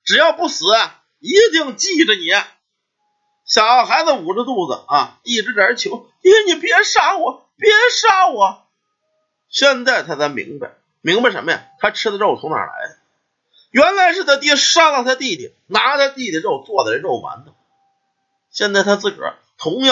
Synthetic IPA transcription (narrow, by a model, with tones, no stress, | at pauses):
ʈ͡ʂɻ̩˨˩jɑ˥˧ʊpu˥˩sɹ̩˨˩ɐ˧˩ | i˧˥t̪i˥˧ŋt͡ɕi˥˩ʈ͡ʂə˩ni˨˩˦ɐ˧˩ | ɕjɑ˨˩ʊɑ˩ʊxa˧˥ɪd͡zə˧˩u˨˩ʈ͡ʂə˥˧t̪u˥˩d͡zə̰˩ɐ˧˩t̪i˥˩ʈ͡ʂɻ̩˥˩ə˨ə˧˥t͡ɕʰjo˧˥ʊt̪i˧˥˧ni˨˩pjɛ˧˥ʂa˥˩wɔ˨˩˦ | pjɛ˧˥ʂa˥wɔ˨˩˦ | ɕjɛ˥˧nt͡sa˥˩ɪt̪ʰa˥t͡sa˧˥mḭ˧˥ŋba̰˧ɪ | mi˧˥ŋba˧ɪʂə̰˧˥mːə˧ja̰˧˩t̪ʰa˥ʈ͡ʂʰɻ̩˥d̪ə˧ɻo˥˩ʊt͡s̪ʰʊ˧˥ŋna̰˨˩la̰˧˥ɪ | ɥɛ˧˥nla˧˥ɪʂɻ̩˥˩t͡s̪a˥t̪ji˥˩ʂa˥la˥˧ʊt̪ʰa˥t̪i˥˩d̪ḭ˨˩na˧˥˧t̪ʰa˥ɪt̪i˥˩i˨˩ə˧ɻo˥˩ʊt͡swɔ˥˩d̪ə˨˩˧ɻo˥˩ʊma̰˧˥nd̪ə˧ | ɕjɛ˥˧nt͡sa˥˩ɪt̪ʰa˥t͡sɹ̩˥˩ʈ͡ʂɻ̩̰˨˩˧ | t̪ʰʊ˧˥ŋjɑ˥˧